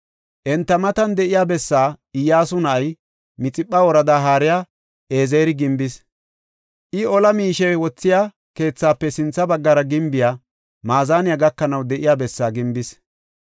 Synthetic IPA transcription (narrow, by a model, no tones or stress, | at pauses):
ʔɛnt̪ːɐmɐt̪ɐnd̪ɛʔɪjaːbɛsːaːɪjːaːsʊnɐʔɐj | mɪt͡sʼɪpʼːɐwɔɾɐd̪aːɦaːɾɪjaː | ʔeːzeːɾɪɡɪmbɪs | ʔɪɔlɐmiːʃɛwɔt͡sːɪjaː | ke̞ːt͡sːaːpːɛsɪnt͡sːɐbɐɡːɐɾɐɡɪmbɪjaː | maːzaːnɪjaɡɐkːɐnɐwd̪ɛʔɪjaːbɛsːaːɡɪmbɪs